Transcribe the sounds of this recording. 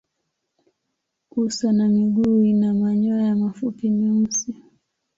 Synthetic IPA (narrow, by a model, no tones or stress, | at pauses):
kusanamiɠuːinamaɲɔajamafupimiusi